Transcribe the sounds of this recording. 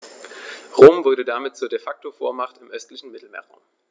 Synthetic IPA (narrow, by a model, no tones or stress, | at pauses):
ʁoːmvʊɐɾədamɪt̚t͡suːɐdefak̚tofo̰ːɐmaχtɪmʔœstlɪçn̩mɪtl̩mḛːɐʁa̰ʊm